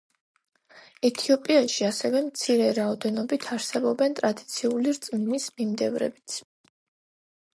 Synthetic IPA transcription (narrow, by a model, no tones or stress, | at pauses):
ɛt̪ʰiɔpʼiaʃiasɛvɛmt̪sʰiɾɛɾaɔd̪ɛnɔbit̪ʰaɾsɛbɔbɛnt̪ʼɾad̪it̪sʰiuliɾt̪sʼmnismimd̪ɛvɾɛ̰bit̪sʰ